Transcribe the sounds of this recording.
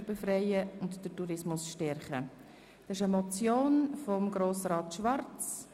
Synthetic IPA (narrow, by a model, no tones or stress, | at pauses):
befrɛɪəʊntd̥ətuɾɪsmʊsʃtɛɾχə | d̥ɑsɪʃəmɔt͡sjoːnfɔmɡɾoːsrɑːtʃʋɑɾt͡s